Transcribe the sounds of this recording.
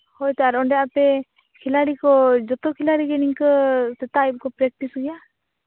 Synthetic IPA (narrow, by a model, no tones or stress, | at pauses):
hojt̪aɾɔɳɖɛapɛ | kʰilaɽikɔd͡ʒɔt̪ɔkʰilaɽiɡɛniŋkɔsɛt̪ajb̚kɔpɾɛk̚ʈisɡɛja